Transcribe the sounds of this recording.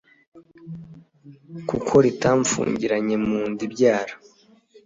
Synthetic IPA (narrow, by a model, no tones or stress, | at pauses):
kukʰo̞ɾitaɱfṵːɲɟiɾaɲe̞muːndibɟaːɾa